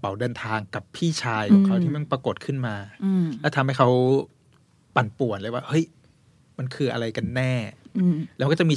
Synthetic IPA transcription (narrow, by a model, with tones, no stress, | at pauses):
pa˩˦wdɤː˧nt̪ʰaː˧ŋka˨˩pʰiː˥˩t͡ɕʰaː˧jkɔ˨˦kʰa˦˥wt̪ʰi˥˩ma˥˩npɾa˧ko˨˩t̪̚kʰɯ˥˩nmaː˧lɛ˦˥t̪ʰa˧mha˥˩jkʰa˦˥w | pa˨˩npu˨˩ənlaː˧˦waː˥˩hɤ˦˥j | ma˧nkʰɯː˧ʔa̰˧ɾa˧jka˧nːɛː˥˩lɛ˦˥wkɔː˥˩t͡ɕa˨˩mi˧